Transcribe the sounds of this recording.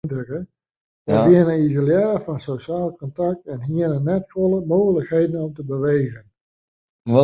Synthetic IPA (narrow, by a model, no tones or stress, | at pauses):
ndəkə | dɛdɪənəizoljɛɾəfɔnsoʃaːlˠkɔntak̚tɛnɦiənənɛtfolˠəmoːɣələkheːdən̩ɔmtəbəʋeːɣən